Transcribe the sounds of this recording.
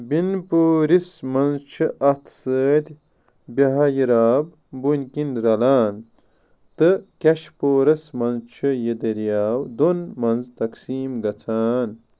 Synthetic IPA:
binpoːɾismɐnzt͡ʃʰɨʔɐt̪ʰsəːt̪ʲ | bɐɦɐjiɾaːb | bunʲkinɾɐlaːn | t̪ɨkɐʃpoːɾɐsmɐnzt͡ʃʰɨjed̪ɐɾijaːwd̪onmɐnzt̪ɐksiːmɡɐt͡sʰaːn

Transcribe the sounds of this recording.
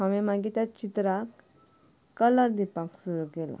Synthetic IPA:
aʋẽmaɡit̪jat͡ɕit̪ɾak | kːələɾd̪ipaksuɾukela̰

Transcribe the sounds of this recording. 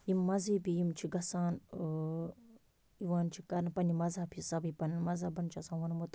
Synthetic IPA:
jimːɐziːpijimt͡ʃʰiɡɐsãːn | iʋãːnt͡ʃʰikɐɾnpɐnimɐzɐpʰisɐbipɐnmɐzɐbɐnt͡ʃʰiɐsaːnʋɐnmot̪

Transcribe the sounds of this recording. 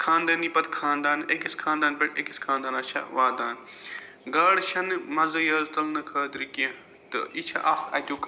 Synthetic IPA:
kʰaːnd̪aːniːpɐt̪kʰaːnd̪aːnekiskʰaːnd̪aːnbeʈekiskʰaːnd̪aːnaːt͡ʃʰɐ̰ʋaːd̪aːn | ɡɐːɽʃʰɐnmɐzɐjɐːlt̪ɐlnɐkʰɐːd̪ɾikɐ̃ | t̪ɨ̰it͡ʃʰɐ̰ʔaxɐ̰d̪ʲuk

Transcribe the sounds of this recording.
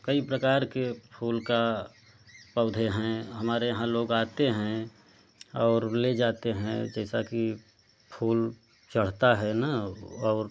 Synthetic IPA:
kəipɾəkaːɾkepʰuːlka | pəːd̪ʱeɦɛ̃ɦəmaːɾejəɦãloːɡaːt̪eɦɛ̃ | ɔːɾled͡ʒaːt̪eɦɛ̰̃d͡ʒɛːsaki | pʰuːl | t͡ʃəɽ̤t̪aɦɛnaɔːɾ

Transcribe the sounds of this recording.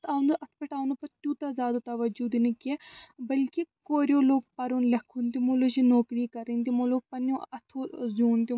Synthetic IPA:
t̪ʰaːnd̪uʔɐt̪ʰpɐʈaːwnupɐɾt̪ʲuːt̪azʲaːd̪ot̪ɐʋɐd͡ʒud̪inɐkiebɐlkikoːɾjoːloːɡ̚pɐɾunlɐkʰːunt̪imoloːʃinoːkɾiːkɐɾint̪imoːloːɡ̚pɐnõɐt̪ʰozjuːnt̪i

